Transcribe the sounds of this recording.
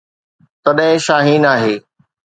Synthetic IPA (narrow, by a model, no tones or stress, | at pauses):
t̪ɐɗɦɪ̃ʃaːɦiːnaːɦeː